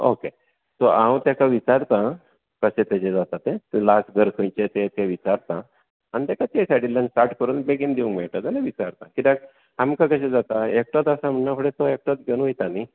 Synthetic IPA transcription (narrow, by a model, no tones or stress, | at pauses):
o̰ke | t̪oãw̃t̪jakaʋit͡saɾt̪ã | kəɕẽt̪et͡ɕed͡zat̪at̪ẽlasɡʱəɾkʰə̃jt͡ɕet̪et̪eʋit͡saɾt̪ã | anit̪akat̪esaʈilːãnsʈaɾʈkəɾuːnbeɡind̪iʋuŋmeɭʈ̪ad͡zalãʋit͡ɕaɾt̪ãkit̪ak | amkakəɕẽd͡zat̪aek̚ʈat̪əsam̤əɳnafʰəɽet̪oek̚ʈat̪̚ɡʱenũjt̪ani